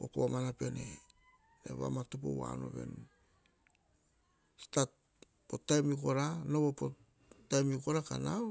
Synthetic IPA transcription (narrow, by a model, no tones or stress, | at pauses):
o̰pomanape̞ne | ḛβa̰matup̬o̰wa̰no̞̰βe̞̰nu | stat | potajmiko̞ɾanowopo | tajmikoɾakanaw